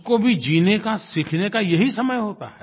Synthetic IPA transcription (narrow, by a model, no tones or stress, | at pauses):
kobʱid͡ʒiːnekasikʰnekajɐɦisɐməjɦoːt̪a̰ɦɛː